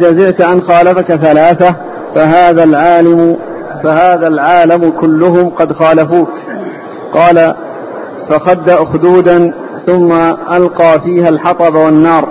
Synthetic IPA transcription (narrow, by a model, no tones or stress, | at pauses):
d͡ʒazɪʕt̪ʔanxaːlafakaθalaːθa | faɦaːðalʕalɪ | fahaːðalʕaːlamkʊlːʊɦʊmqɑd̪xaːlafuːk | qɑːla | faxad̪ːaʔxʊd̪uːd̪an | θʊmːaʔalqɑːfiːhalħɑt̪ˤɑbawanːɑːɾˤ